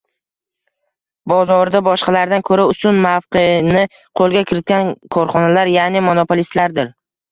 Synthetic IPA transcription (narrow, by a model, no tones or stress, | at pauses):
bɒzɒɾd̪abɒʃqɑlaɾd̪ankʰɵɾaʊsʊnmafqɨnɪ | qʰolˠɡʲakʲʰɪɾɪt̪̚ɡʲankʰɒɾχɒnalaɾjanɪmonopʰolist̪laɾd̪ɪɾ